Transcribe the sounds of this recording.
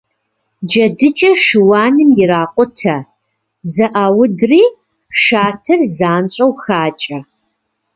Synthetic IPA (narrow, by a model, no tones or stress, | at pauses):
d͡ʒɐdɨt͡ʃʼɐʂɨwaːnɨmjɪraːqʷʼʊtʰɐ | zɐʔaːwʊdriː | ʂaːtʰɐrzaːnɕʼɐwxaːt͡ʃʼɐ